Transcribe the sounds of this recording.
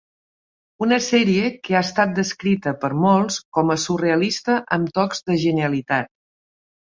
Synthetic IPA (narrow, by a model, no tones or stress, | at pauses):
unəsɛɾiəkəast̪at̪̚d̪əskɾit̪əpəɾmɔlˠskɔməsureəlist̪əʔəmt̪ɔkzðəʒəniəlit̪at̪̚